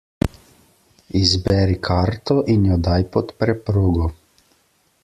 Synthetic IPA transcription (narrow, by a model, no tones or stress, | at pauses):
izbɛːɾikʰaɾt̪ɔʔinjɔd̪ajpɔt̪pɾɛpɾoːɡɔ